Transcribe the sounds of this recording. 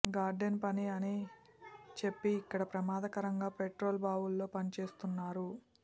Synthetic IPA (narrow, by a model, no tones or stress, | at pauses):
ɡaːɾɖenpɐniɐni | t͡ʃe̞pːiːkːɐɽɐpɾɐmaːd̪ɐkɐɾɐŋɡaːpeʈɾo̞ːlbaːwulːo̞ːpɐnit͡ʃe̞ːst̪unːaːɾu